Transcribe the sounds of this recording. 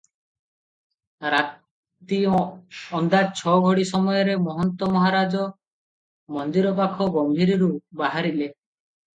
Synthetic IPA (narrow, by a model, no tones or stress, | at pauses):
ɾat̪ | i | ɔnd̪at͡ʃʰɔɡʱɔɽisɔmɔjɔɾemɔɦɔnt̪ɔmɔɦaɾad͡ʒɔ | mɔnd̪iɾɔp̬akʰɔɡɔmbʱiɾiɾubaɦaɾile